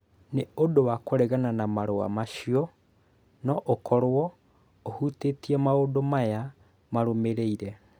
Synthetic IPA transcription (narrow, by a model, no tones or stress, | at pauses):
neodowakoɾɛɣananamaɾoa̰maʃiɔ | nɔʔokɔɾwɔ | ohutetiɛmaoːdomaja | maɾomeɾeiɾɛ